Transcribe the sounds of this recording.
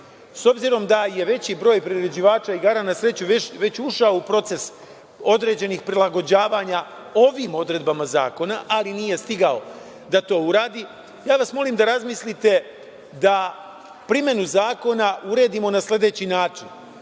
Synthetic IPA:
so̞bziɾo̞md̪aje̞ʋe̞t͡ɕibɾo̞ːjpɾiɾed͡ʑiʋaːt͡ʃaiɡaːɾanasɾe̞t͡ɕuʋeʋe̞t͡ɕuʃaoupɾo̞t̪se̞s | o̞d̪ɾe̞d͡ʑe̞niːxpɾilˠaɡo̞d͡ʑaːʋaːɲa | o̞ʋimo̞d̪ɾe̞d̪̚bamaza̰ːko̞naʔaliniːje̞st̪iɡao̞ | d̪at̪o̞ːuɾaːd̪i | jaːʋasmo̞liːmd̪aɾazmislit̪e̞ | d̪a | pɾime̞nuzaːko̞nauɾe̞ːd̪imo̞nasle̞d̪e̞t͡ɕinaːt͡ʂin

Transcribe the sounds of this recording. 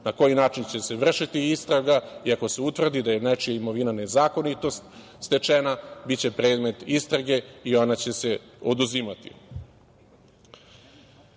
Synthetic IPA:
nako̞jinaːt͡ʃint͡ɕe̞se̞ʋr̩ʃit̪iist̪ɾaɡaiako̞se̞ut̪ʋr̩d̪id̪aje̞najt͡ʃijaimo̞ʋinane̞zaːko̞nit̪o̞st̪ | st̪e̞t͡ʂenabitt͡ɕe̞pɾeːd̪me̞t̪ist̪ɾaɡe̞io̞nat͡ɕe̞se̞od̪uzimat̪ḭ

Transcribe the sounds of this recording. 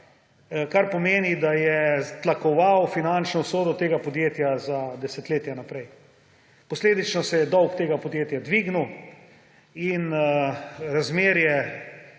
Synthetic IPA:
kaɾpɔmeːnid̪ajɛt̪lakɔʋawfinant͡ʃnɔwsoːd̪ɔt̪eːɡapɔd̪jeːt̪jazad̪ɛsɛt̪leːt̪janapɾɛj | pɔsleːd̪it͡ʃnɔsɛjɛd̪ɔwkt̪eːɡapɔd̪jeːt̪jad̪ʋiːɡnuw | in | ɾazmeːɾjɛ

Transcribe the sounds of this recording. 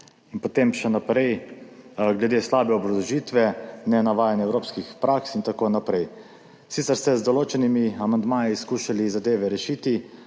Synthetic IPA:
inpot̪eːmʃɛnapɾɛj | ɡlɛd̪eːslaːbɛɔbɾɔd̪ɔʒiːt̪ʋɛnɛnaʋaːjanɛwɾoːpskixpɾaksint̪akoːnapɾɛj | sit̪sɛɾst̪ɛzd̪ɔloːt͡ʃɛnimiamand̪maːjiskuːʃalizad̪eːʋɛɾɛʃiːt̪i

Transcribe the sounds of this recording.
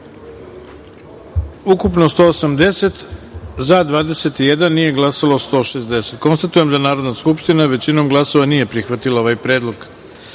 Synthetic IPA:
ukupno̞st̪o̞ːosamd̪ese̞t̪zad̪ʋaːd̪e̞se̞t̪ijed̪anːije̞ɡlˠasalaost̪o̞ːʃezd̪e̞se̞t̪ko̞nst̪at̪uje̞md̪anaːɾo̞d̪naskupʃt̪inaʋe̞t͡ɕino̞mɡlˠaso̞ʋanije̞pɾixʋat̪ilˠao̞ʋajpɾe̞ːd̪lo̞ɡ

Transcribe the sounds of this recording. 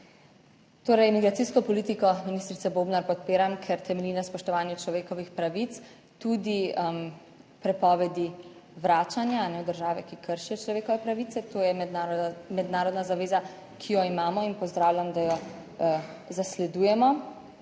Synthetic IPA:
t̪oːɾɛjmiɡɾat̪siskɔpɔlit̪ikɔminist̪ɾit̪sɛbobnaɾpɔt̪̚peːɾamkʰɛɾt̪ɛmɛlinaspɔʃt̪ɔʋaːnjɛt͡ʃlɔʋeːkɔʋixpɾaʋit̪s | t̪ud̪im | pɾɛpɔːʋɛd̪iʋɾaːt͡ʃanjaːnɛwd̪əɾʒaːʋɛkikʰəɾʃijɔt͡ʃlɔʋeːkɔʋɛpɾaʋit̪sɛt̪ojɛmɛmɛd̪naːɾɔd̪nazaʋeːza | kʰijɔimaːmɔinpɔzd̪ɾaːwlʲjamd̪ajɔ | zaslɛd̪uːjɛmɔ

